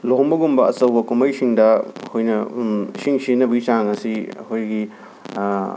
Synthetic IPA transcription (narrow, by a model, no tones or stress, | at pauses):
lombɐɡumbɐɐsɐwbɐkumɐjsiŋdɐhojnɐsiŋsinɐbɡit͡ʃaŋɐsiɐkʰojɡi